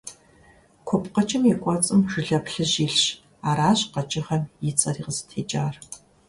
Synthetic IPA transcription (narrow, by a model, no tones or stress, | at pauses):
kʷʰɔpqɐt͡ʃʼɪmjɛkʷʼɔt͡sʼɨmʒ̥ɨɮɐpɬɨʑiːɬɕ | aːɾaːɕqɐt͡ʃʼɪχɐmjit͡sʼɐriːʁəztʰeːt͡ʃʼaːr